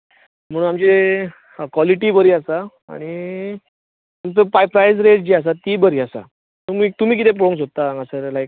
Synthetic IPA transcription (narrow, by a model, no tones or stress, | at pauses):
m̤əɽunamt͡ɕe | kʋɔliʈiːbəɾiːasa | a̰ɽ̃i | ət̪əpajpɾajsɾeʈd͡ʑeas̬at̪ibəɾiːasa̰ | t̪umit̪um̤iːk̬it̪ep̬ɔɽõŋks̬ot̪ːaaŋɡasəɾlajk̚